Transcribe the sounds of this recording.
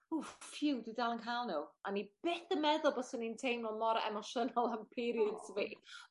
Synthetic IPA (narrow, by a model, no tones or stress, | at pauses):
ufjɪwdɪdalˠənkʰaːlˠnuanib̥eθəmɛðʊlˠbɔsənintʰejmlɔmɔɾɛ̰mɔʃənɔlˠampʰiɾjədsʰəviː